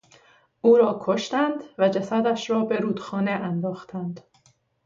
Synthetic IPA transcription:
ʔuːɾɒːkʰoʃt̪ænd̪væd͡ʒæsæd̪æʃɾɒːbe̞ɾuːd̪xɒːneʔænd̪ɒːxt̪ʰænd̪̥

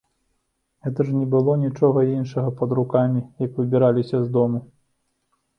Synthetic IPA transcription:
ɣɛt̪ɐʐnʲɛbɨlˠɔnʲit͡ʂɔɣɐinʂɐɣɐpɐd̪ɾukamʲijɐkvɨbʲiɾalʲisʲɐzd̪ɔmu

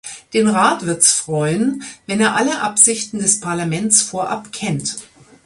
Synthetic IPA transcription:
d̥eːnʁaːtv̥ɪɐtsfʁ̥ɔʏənvɛneːɐʔaləʔapz̥ɪçtn̩dɛspʰaɐlamɛnt͡sfoːɐʔa̰pkʰɛnt

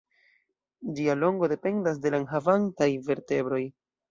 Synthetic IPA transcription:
d͡ʒialo̞ŋɡo̞de̞pe̞ndas̬de̞lanɦavantajve̞ɾte̞bɾo̞j

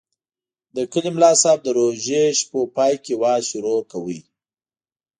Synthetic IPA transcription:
d̪əkəlimlɑsɑb̚d̪əɾoʒeʃpopɑjkewɑʃʊɾokawəj

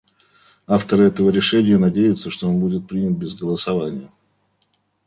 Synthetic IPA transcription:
aft̪əɾɨɛt̪əvəɾʲɪʂɛnʲɪjənɐdʲejʊt̪səʂt̪o̞o̞nbudʲɪt̪̚pɾʲinʲət̪̚bʲɪzɡəlˠəsɐvanʲɪjə

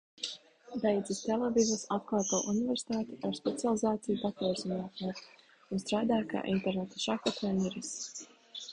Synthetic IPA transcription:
d̪ejd̪zist̪elˠeviːzɨsat̪̚klˠaːt̪oːʔuniveɾsi̥t̪aːt̪iaɾspet̪sialˠizaːt̪sijud̪at̪ɔzinaːk̪nʲiːk̪ | unst̪ɾaːd̪aːjka̰ːʔḭnt̪ɛɾnet̪aʃakat̪ʰɛniɾis

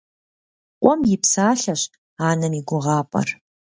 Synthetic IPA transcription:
qʷʼɔmjɪpsaːɬɐɕ | aːnɐmiɡʷʊʁɑːpʼɐ̰r

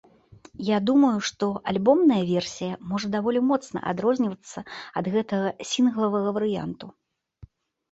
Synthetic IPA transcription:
jad̪umɐjuʂt̪ɔʔalʲbɔmnɐjɐvʲɛrsʲijɐmɔʐɐd̪avɔlʲimɔt̪snɐ̰ʔa̰d̪ɾɔzʲnʲivɐt̪sːɐɐd̪ɣɛt̪ɐɣɐsʲinɣlˠɐvɐɣɐvɐɾɨja̰nt̪u

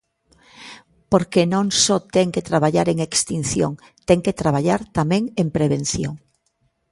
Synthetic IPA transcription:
poɾkenõŋsɔt̪ɛŋket̪ɾaβaʎaɾeŋekst̪in̟θjo̰ŋ | t̪ɛŋket̪ɾaβ̞aʎaɾt̪amẽŋempɾeβen̟θjoŋ

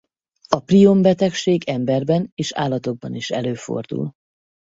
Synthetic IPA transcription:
ɒprio̞mbɛt̪ɛkʃeːɡɛmbɛrbɛneːʃa̰ːlːɒt̪o̞ɡ̚bɒniʃɛ̰løːfo̞̰rd̪ṵl

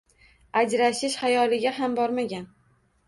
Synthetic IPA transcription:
ad͡ʒɾaʃɪʃhajɒlɪɡʲaɦambɒɾmaɡʲan

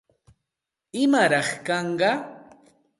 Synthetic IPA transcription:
ɪmaɾɑχkɑɴɢɑ

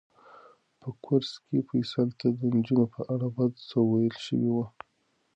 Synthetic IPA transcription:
pəkʰʊɾskʰefujsalt̪ad̪ənd͡ʒunopəʔaɽabad̪səwajəlʃə̰wewa

